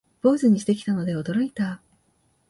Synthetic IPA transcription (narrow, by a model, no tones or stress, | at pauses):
bo̞ːzɨɲ̟iɕt̪e̞kʲi̥t̪ano̞d̪e̞o̞d̪o̞ɾo̞it̪a